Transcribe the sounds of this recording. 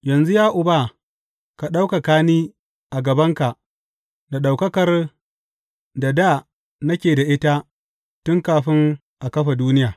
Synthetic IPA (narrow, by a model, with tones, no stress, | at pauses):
jɐ˨nzu˦jaː˦ʔʊ˨ba˦ | ka˨ɗa˦wka˨kaː˦niː˦ | ʔa˨ɡɐ˨bɐ˦ŋka˨ʔ | da˨ɗa˨wkɐ˦kɐ˨r | da˨da˦˨ | nɐ˦kʲeː˨da˨ʔɪ˦ta˦ | tʊ˦ŋkaː˨ɸɪ˦ŋ | ʔa˨kɐ˦ɸa˨duː˦nɪ˦jaː˨